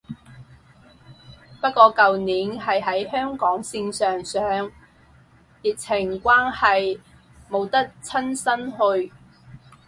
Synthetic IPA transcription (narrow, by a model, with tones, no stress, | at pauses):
pɐ˥t̚kɔː˧kɐ˨wniː˨˥nhɐ˨jɦɐ˨˥jhœː˥ŋkɔː˨˥ŋsɪ˧ŋsœː˨ŋsœː˨˥ŋ | ji˨k̚t͡sʰɪ˨˩ŋkʷwaː˥nhɐ˨j | mo˨˧wt̪ɐ˥k̚t͡sʰɐ˥nsɐ˥nhɵ˧ɥ